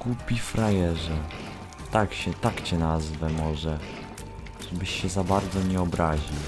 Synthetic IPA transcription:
ɡ̥upʲifɾajɛʐɛ | t̪akɕɛt̪akt͡ɕɛnazvɛmɔʐɛ | ʐ̥ɛbɘɕːɛzabaɾd̪zɔɲɛɔbɾaʑiw

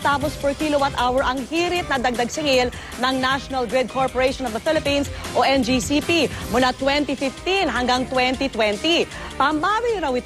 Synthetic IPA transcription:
t̪aːpɔspɔɹkilowat̪ʔawɛɹʔɐŋhiːɾɪt̪̚nɐd̪ɐɡ̚d̪ɐɡsɪŋɪl | nɐŋnaʃonɐlɡɹɛd̪̚kʰoɹpɔɹɛjʃɔnɔvd̪ɐfɪlɪpĩnsʔoʔɛnd͡ʒisipimʊlat̪wɛnt̪ifɪft̪inɦɐŋɡaŋt̪wɛnt̪it̪wɛnt̪i | pɐmbaːwɪjɾɐwɪt̪

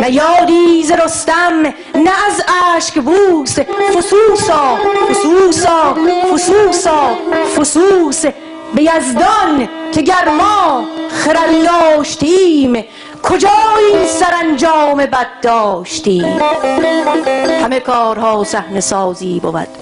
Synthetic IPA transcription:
mæjɒːd̪iːzeɾost̪æm | næːzæːʃkbuːsefosuːsɒːfosuːsɑːfosuːsɒːfosuːs | bejæzd̪ɔnkʰeɟæɾmɒːχeɾæld̪ɒːʃt̪ʰiːm | kʰod͡ʒɒːjiːsæɾænd͡ʒɒːme̞bæd̪̚d̪ɒːʃt̪iːm | hæme̞kʰɔːɾhɒːsæhne̞sɒːziːbovæ̰d̪̥

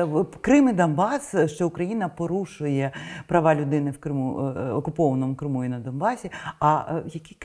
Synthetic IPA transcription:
kɾɪmɪd̪ɔnbɑsʃt͡ʃɔʊkɾɐjinɐpɔɾuʃʊjɛpɾɐʋɑlʲʊd̪ɪnɪwkɾɪmuɔkʊpɔʋɐnɔmʊkɾɪmujinɐd̪ɔnbɑsʲiɐjɐkʲi

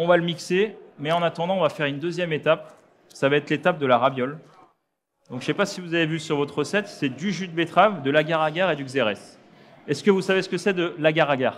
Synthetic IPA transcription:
ɔ̃valəmiksemɛɑ̃nat̪ɑ̃d̪ɑ̃ɔ̃vafɛʁynd̪øzjɛmet̪ap̚ | savaɛt̪let̪ap̚d̪əlaʁabjɔl | d̪ɔ̃kʃʃɛpasivuzavevysyʁvɔt̪χəsɛt̪sɛd̪yʒyd̪̚bet̪χavd̪əlaɡaʁaɡʲaʁed̪yɡzeʁɛs | ɛskəvusavesə̥kəsɛd̪əlaɡaʁaɡaːʁ

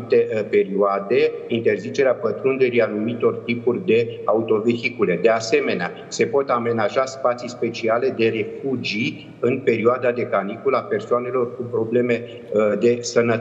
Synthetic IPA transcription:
t̪e̞pe̞ɾioad̪e̞int̪e̞rzit͡ʃe̞ɾeapət̪ɾund̪eɾianumit̪o̞rt̪ipurʲd̪e̞aut̪o̞ve̞xikule̞d̪e̞ase̞me̞nea | se̞po̞t̪ame̞naʒaspat̪sispe̞t͡ʃiale̞d̪e̞re̞fud͡ʒi | ɨnpe̞ɾioad̪ad̪e̞kanikulape̞rsoane̞lo̞rkupɾo̞ble̞me̞ | d̪e̞sənə

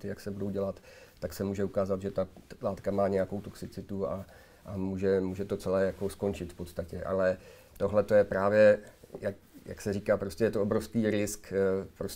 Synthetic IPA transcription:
t̪ɪjaksɛbudowɟɛlat̪ːaksɛmuːʒɛukaːzat̪ʒɛt̪alaːt̪kamaːɲɛjakowt̪o̞ksɪt͡sɪt̪ua | ʔamuːʒɛmuːʒɛt̪o̞t͡sɛlɛːjakosko̞nt͡ʃɪt̪fpo̞t̪st̪acɛʔa̰lɛ | t̪o̞ɦlɛt̪o̞jɛpɾaːvjɛjak | ja̰ksɛɾiːkaːpɾoscɛjɛt̪oobɾofskiːɾɪskpɾos

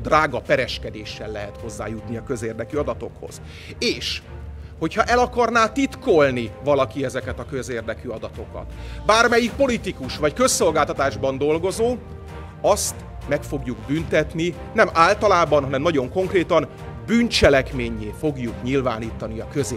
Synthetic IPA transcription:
d̪raːɡɒpɛɾɛʃkɛd̪eːʃːɛlːɛɦɛt̪ho̞zːa̰ːjut̪niɒkø̞zeːrd̪ɛkyɒd̪ɒt̪o̞̰kho̰z̥ | eːʃho̞chɒʔɛlɒkɒrnaːt̪it̪kolnivɒlɒkiɛzɛkɛt̪ɒkø̞zeːrd̪ɛkyɒd̪ɒt̪o̞kɒ̰t̪baːrmɛjik̚po̞lit̪ikuʃʋɒckø̞sːo̞lɡaːlt̪ɒt̪aːʒbɒnd̪o̞lɡo̞zoː | ɒst̪ | mɛkfo̞ɡjuɡbynt̪ɛt̪ni | nɛmaːlt̪ɒlaːbɒnɦɒnɛmnɒɟo̞ŋko̞ŋkreːt̪ɒn | bynt͡ʃɛlɛkmeːɲːeːfo̞ɡjukɲilva̰ːniːt̪ɒniɒkøze

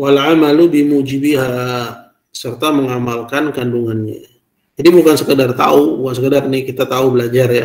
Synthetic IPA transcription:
walʕamalubimud͡ʒibiɦa | sərt̪aməŋamalkankanduŋanɲa̰ | d͡ʒadibukansəkədart̪a̰ubukansəkədarnikit̪at̪aubəlad͡ʒarja

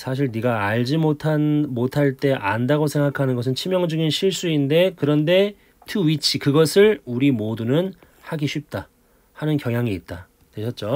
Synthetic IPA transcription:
sʰaɕ̬ʰiɭniɡaːɭd͡ʑimotʰamotʰaɭt͈e̞ʔandaɡosʰe̞ŋɡakʰanɯnɡʌsʰɯnt͡ɕʰimjʌŋd͡ʑuɡinɕʰiɭs͈uinde̞kɯɾʌnde̞ | tʰuɥit͡ɕʰikɯɡʌsʰɯɭuɾimodunɯn | haɡiɕʰɥip̚t͈a | hanɯnkjʌŋjaŋiːt̚t͈a | tweɕʰʌt̚t͡ɕ͈o

